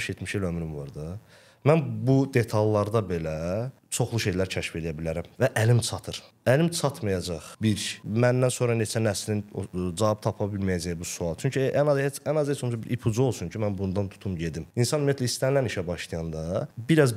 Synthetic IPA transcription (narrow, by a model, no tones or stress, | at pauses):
ʃjet̪miʃelømɾimvɑɾd̪ɑ | mænbud̪e̞t̪ʰɑlˠːɑɾd̪ɑbe̞læ | t͡ʃʰo̞χlˠuʃe̞jlæɾcʰæʃfe̞lijæbilæɾæmvæʔælimt͡ʃʰɑt̪ʰɯɾ | ælimt͡ʃʰɑt̪ʰmɑjɑd͡ʒɑχbiɾmænd̪ænso̞nɾɑne̞t͡ʃʰænæslind͡ʒɑvɑb̚t̪ʰɑpʰɑbilmæjæd͡ʒæjbusuɑlˠt͡ʃʰyɲcʰiænɑzeænɑzhet͡ʃʰomsbiɾʔipʰud͡ʒuo̞lˠsuɲcʰimænbund̪ɑnt̪ʰu̥t̪ʰumɟe̞d̪iminsɑnymjæt̪læist̪ænlæniʃæbɑʃlˠijɑnd̪ɑbiɾæz